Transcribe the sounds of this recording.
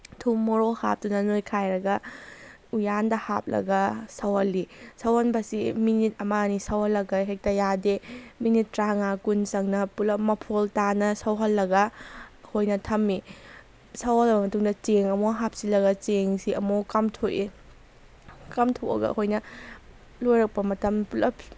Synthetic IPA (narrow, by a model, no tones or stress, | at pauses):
tʰummoɾoha̰p̚tunɐnojkʰajɾɐɡɐ | ujandɐha̰p̚lɐ̰ɡɐsɐwhɐlːisɐwhɐnbɐsiminit̚ɐmanisɐwhɐlːɐɡɐɦek̚tɐjademinit̚ːɾaŋakunsɐŋnɐpulɐmɐpʰoltanɐsɐwɦɐlːɐɡɐhojnɐtʰɐmːi | sɐwhɐlɐbɐmɐtuŋdɐt͡ʃeŋɐmoɦap̚silːɐɡɐt͡ʃeŋsiɐmokɐmtʰoʔi | kɐmtʰoʔɐ̰ɡɐ̰hojnɐ | lojɾɐk̚pɐmɐtɐmpulɐpʰ